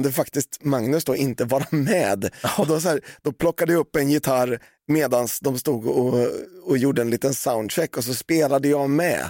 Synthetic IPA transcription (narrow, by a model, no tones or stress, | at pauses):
nd̪ɛfakt̪ɪst̪maŋnɵsd̪ɔːʔɪnt̪əvɑːɾamɛːd̪d̪ɛvas̬ɔhæːd̪̥ɔpʰlɔkːad̪əjɵpːɛnjɪt̪ʰaɾ | meːd̪ansd̪ɔmst̪uːɡɔɔjuːɖəɛnliːt̪ənsaʊnd̪ʂɛkːɔs̬ɔspeːlad̪əjɑmɛ̰